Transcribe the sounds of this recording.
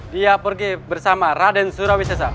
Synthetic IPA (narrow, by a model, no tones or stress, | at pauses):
diapərɡɛbərsamaradɛnsuɾawisas̬a